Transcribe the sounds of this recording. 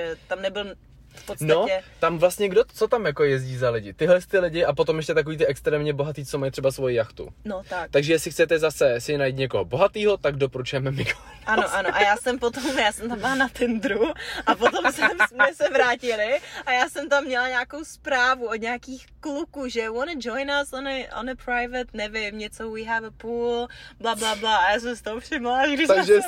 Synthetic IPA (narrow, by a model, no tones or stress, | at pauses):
ɛt̪amnɛbɪl | fppot͡sntaoaɛt̪amvlast̪ɲɛɡdot͡sot̪amjakojɛzɟiːzalɪɟɪt̪ɪɦlɛst̪ɪlɪɟɪapo̞t̪omjɛʃcɛt̪ak̬o̞viːt̪ɪʔɛkst̪ɾɛːmɲɛbo̞ɦat̪iːt͡somajt̪r̝̥ɛbasvo̞jɪjaxt̪ṵnot̪akt̪aɡʒɛjɛslɪxt͡sɛt̪ɛzasɛsɪnajit̪ɲɛkoɦoboɦat̪iːɦo̞t̪aɡdopoɾut͡ʃujɛmɛmɪɡo | ʔano̞ʔanoʔajaːsɛmpot̪omjaːsɛmt̪ambɪlanat̪ɪnd̪ɾuʔapot̪o̞msɛmsmɛsɛvɾaːcɪlɪʔajaːsɛmt̪amːɲɛlaɲaːkowspɾaːvuodɲaːkiːxklukuʒɛwɔnəd͡ʒojnasɔnəʔɔ̰nəpɾajvɛt̪nɛvɪmɲɛt͡sowiɦɛvəpuːlblablablaajaːs̬ɛmst̪oɦofrɪmlaɡdɪt̪aʒɛ